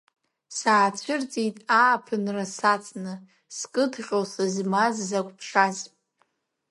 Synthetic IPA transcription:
saːt͡ɕʷʰɨrt͡sʼitʼaːpʰɨnrasat͡sʼnɨ | skʼɨdʰχʲosazmazːakʷʼpʰʂaz

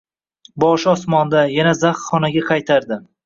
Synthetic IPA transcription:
bɒʃɒsmɒnd̪ajanazaχχɒnaɡʲaqʰɑjt̪ʰaɾd̪ɪm

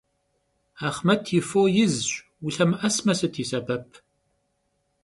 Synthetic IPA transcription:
aːχmɐtʰjɪfoːjɪzɕʷ | wʊɬɐmɨʔɐsmɐsɨtʰiːsɐbɐpʰ

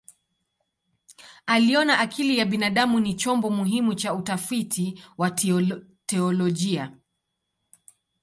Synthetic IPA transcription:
aliɔnaʔakʰilijaɓinaɗamunit͡ʃɔmbɔmuɦimut͡ʃautafitʰiwa | tɛɔlɔʄia

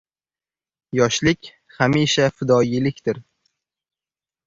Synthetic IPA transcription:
jɒʃlɪkʲ | hamiʃafɪd̪ɒjɪlɪkʲt̪ɪɾ

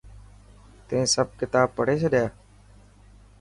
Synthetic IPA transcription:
t̪ẽːsəb̚kɪt̪aːb̚pəɽ̤eːseːɗeaː

